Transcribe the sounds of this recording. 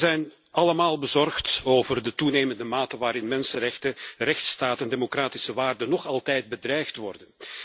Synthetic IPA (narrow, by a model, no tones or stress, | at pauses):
zɛjn | ɑləmaːlˠbəzɔrxtoːvərdətuneːməndəmaːtənʋaːɾɪnmɛnsənrɛxtərɛxtstaːtəndeːmokraːti̥səʋaːrdənɔχɑlˠtɛjd̚bədrɛjxtʋɔrdən